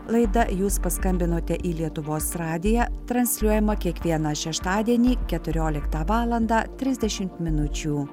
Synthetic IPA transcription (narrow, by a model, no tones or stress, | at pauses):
lˠɐɪd̪ɐjuːspɐskɐmʲbʲɪnoːt̪ʲɛʔiːlʲiɛt̪ʊʋoːsɾɑːd̪ʲɪjæːt̪ɾɐnʲsʲlʲuɔjɛmɐkʲiɛkʋʲiɛnɑʃʲɛʃt̪ɑːd̪ʲiɛnʲiːkʲɛt̪ʊɾʲoːlʲɪkt̪ɑːʋɑːlˠɐnd̪ɑːt̪ʲɾʲɪzʲd̪ʲɛʃʲɪmt̪mʲɪnʊt͡ʃʲuː